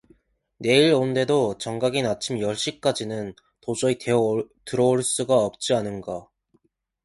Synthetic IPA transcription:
ne̞iɾonde̞dot͡ɕʌŋɡaɡinat͡ɕʰimjʌɭɕ͈ik͈ad͡ʑinɯn | tod͡ʑʌitɯɾʌoɭs͈uɡaʌp̚t͡ɕ͈ianɯnɡa

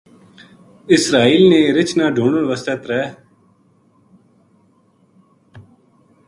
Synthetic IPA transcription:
ɪsɾaːiːlnẽːɾɪt͡ʃnaːɖʱuːɳəlʋəsət̪ɾɛɦ

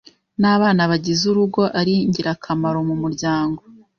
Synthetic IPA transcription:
naβaːnaβaɟizuɾuɡo̞ʔaɾiɲɟiɾakʰamaɾo̞mumuɾɟaːŋɡo

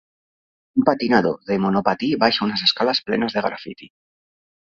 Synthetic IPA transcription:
umpat̪inaðo̰ðe̞mo̞no̞pat̪iβajʃaunase̞skalasple̞̰nazðeɣɾa̰fḭt̪i

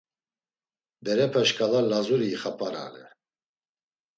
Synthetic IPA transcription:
d̪ɛɾɛpʰɛʃkʰʼalalazuɾiːχapʼaɾa̰lɛ̰

